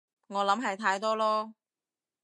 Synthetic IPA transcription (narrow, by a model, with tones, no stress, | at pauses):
ŋɔː˨˧lɐ˨˥mɦɐ˨jt̪ʰaː˧jt̪ɔː˥lɔː˥